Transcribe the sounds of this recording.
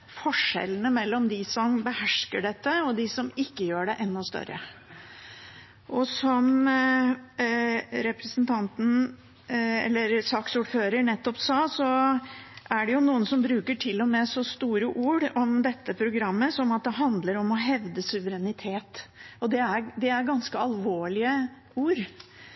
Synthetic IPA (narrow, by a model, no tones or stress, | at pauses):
fɔʂɛ̰lːənəmɛlːɔmd̪ɪsɔmbəhæʂkəɖɛt̪ːəɔd̪ɪsɔmɪkːəjøːɖɛʔɛnːɔst̪œ̰ɾːə̰ | ʔɔsɔm | ɾɛpɾəsnt̪ʰɑnt̪n̩ | ɛ̰lːəɾsɑːksuːɖføːɾəɳɛt̪ːɔpsɑːsɔ | ʔæɖɛjʊnuːənsɔmbɾʉːkəʈʰɪlːɔmɛsɔst̪uːɾəʔuːɽɔmd̪ɛt̪ːəpʰɾʊɡɾɑmːəsɔnɑt̪̚d̪ɛɦɑnd̪ləɾɔmɔɦɛʋd̪əsʉʋəɾɛnɪt̪ʰeːt̪ɔd̪ɛæɾd̪ɛæɾɡɑnskəɑlʋoːɭɪə | uːɾ